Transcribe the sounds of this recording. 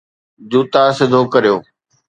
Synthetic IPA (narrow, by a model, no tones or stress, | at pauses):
d͡ʑuːt̪asɪd̪ʱokɐɾijoː